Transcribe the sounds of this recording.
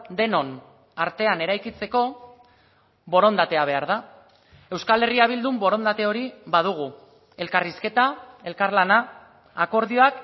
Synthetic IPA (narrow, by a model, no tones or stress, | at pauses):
d̪e̞no̞n | aɾt̪e̞ane̞ɾajkit͡se̞ko̞ | βo̞ɾo̞nd̪at̪e̞aβ̞e̞aɾð̞a | e̞wskale̞riaβ̞ild̪umbo̞ɾo̞nd̪at̪e̞o̞ɾiβað̞uɣ̞u | e̞lkariske̞t̪ae̞lkaɾlanaː | ko̞ɾðio̞ak